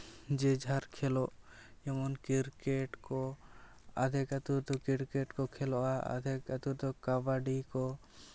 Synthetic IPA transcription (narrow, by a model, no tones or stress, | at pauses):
d͡ʒɛd͡ʒʱaɾkʰɛlɔʔɛmɔnkiɾkɛʈkɔ | a̰d̪ʱɛkat̪uɾt̪ɔkiɾkɛʈkɔkʰɛlɔʔaa̰d̪ʱɛkat̪uɾt̪ɔkabaɖikɔ